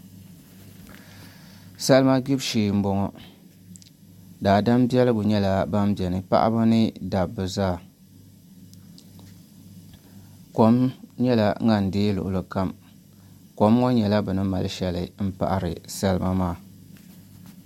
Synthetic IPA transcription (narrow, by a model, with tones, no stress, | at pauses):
sɛ˦lɨ˦ma˦ɡi˦bʃiː˨m̩˦bɔ˦ŋɔ˦ | daː˨da˦m˦bi˦ɛ˦lɨ˦ɡʊ˨ɲɛ˦la˦ba˦m˦bjɛ˨nɨ˨pa̰˦ʔa̰˦ba˦nɨ˦da˨bːɨ˨zaː˦˨ | ko˨mɲɛ˦la˦ŋa˨n̩˨deː˦lʊ̰˨ʔʊ˨lɨ˨ka˦m | ko˨m˦ŋɔ˦ɲɛ˨la˦bɨ˨nɨ˦ma˨lʃɛ˦lɨ̰˨m̩˦pa̰˨ʔa˨ɾɨ̰˨sa˦lɨ˦ma˦maː˦˨